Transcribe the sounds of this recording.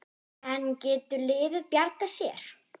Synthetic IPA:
ɛncɛːt̪ʏlɪːðɪðpjaɾkasjɛɾ̥

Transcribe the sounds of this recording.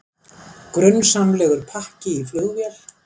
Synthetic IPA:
kɾʏnːsamlɛːɣʏɾ̥pʰahcɪifœɣvjɛl

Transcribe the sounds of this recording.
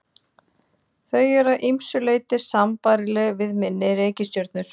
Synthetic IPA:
θœɥɛɾaðʔimsʏleːjt̪ɪsampajɾɪlɛɣvɪðmɪnːɪɾeːjcɪsc̪œɾt̪nʏɾ̥

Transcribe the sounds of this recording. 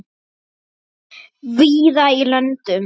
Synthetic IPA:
viːðailœnt̪ʏm

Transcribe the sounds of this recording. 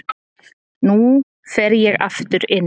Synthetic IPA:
nu | fɛɾjɛɣa̰ft̪ʏɾɪn

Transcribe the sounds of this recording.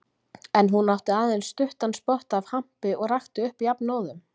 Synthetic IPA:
ɛnɦunːawht̪ɪaːðejnst̪ʏht̪anspɔht̪av̥ham̥pɪɔɣraxt̪ʏʏhpijapnɔːwðʏm

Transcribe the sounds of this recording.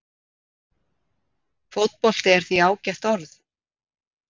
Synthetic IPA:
fowt̪̚pɔl̥t̪ɪɛɾ̥θiaːwcɛht̪ɔɾθ

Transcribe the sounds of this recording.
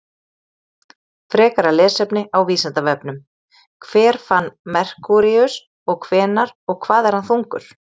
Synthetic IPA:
fɾɛːkaɾalɛːsɛpnɪawviːsant̪avɛpnʏm | kʰvɛːɾ̥fanːmɛr̥kuɾiʏs | ɔɣkʰvɛːnaɾɔɣkʰvaːðɛɾ̥hanθuŋkʏ̰ɾ̥

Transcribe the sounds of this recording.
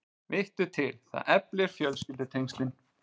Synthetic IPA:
vɪht̪ʏt̪ʰɪlθa̰ðɛplɪɾ̥fjœlscɪlt̪ʏt̪ʰejŋst̪lɪn

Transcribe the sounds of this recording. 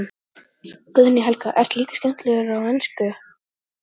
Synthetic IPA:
kʏðniɦɛlkaʔɛr̥t̪liːkḁskcɛm̥t̪lɛɣɾawɛnskʏ

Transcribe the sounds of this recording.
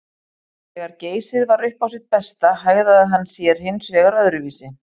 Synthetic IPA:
ɛɣaɾceːjsɪðvaɾʏhpawsɪðpɛst̪aɦaːɣðaaðɦanːsjɛɾ̥hɪnːsvɛːɣaɾœðɾʏviːsɪ

